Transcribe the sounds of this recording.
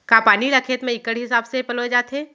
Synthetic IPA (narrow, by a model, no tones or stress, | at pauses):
kaːpaːniɾɐkʰeːt̪mẽɪkəɽɦɪsaːbsepɐlod͡ʒaːt̪ẽː